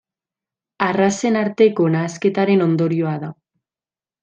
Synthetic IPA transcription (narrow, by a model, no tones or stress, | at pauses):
arase̞naɾt̪e̞ko̞naːske̞t̪aɾe̞no̞nd̪o̞ɾio̞aða